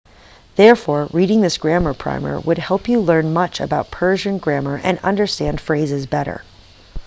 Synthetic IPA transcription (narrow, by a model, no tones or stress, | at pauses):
ðɛɹfɔɹɹiɾɪ̃ŋðɪsɡ̥ɹæmə˞pʰɹ̥ã̰ɪ̃mɛ̰ɹḭwəd̚hɛlˠpjɨlɜ̃˞nmʌt͡ʃɨ̰baʊt̚pʰɜ˞ʒɨ̃nɡɹæmə˞ʔɨ̰̃nʌ̰̃ndə˞stæ̃nd̥fɹeɪzɨzbɛɾə̰˞